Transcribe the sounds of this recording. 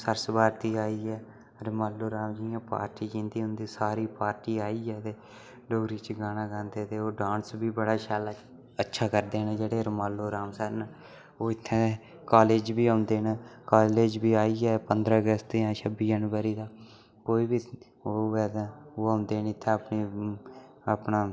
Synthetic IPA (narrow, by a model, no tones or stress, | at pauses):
səɾsbaːɾt̪iːaːiːɛː | ɾəmaːlːoːɾaːmd͡ʒiːãːpa̰ːɾʈiːd͡ʒɪ̃nd̪iːɦʊ̃nd̪iːsaːɾiːpaːɾʈiːaːiːɛːt̪eː | ɖoɡɾiːt͡ʃɡaːnãːɡãːnd̪eːt̪eːoːɖãːnsbiːbəɽaːʃaːlaː | ətːʃʰaːkəɾd̪eːnẽd͡ʒeːɽeːɾəmaːlːoːɾaːmsɛːn | oːɪt̪ʰːẽː | kaːleːd͡ʒbiːãːnd̪eːnakaːleːd͡ʒbiːaːiːɛːpənd̪ɾaːəɡəst̪jãːʃʰəbiːd͡ʒənʋəɾiːd̪aː | koːiːbiː | oːɛːt̪aːoːãːnd̪eːnːɪt̪ʰːɛ̃ːəpniː | əpnaː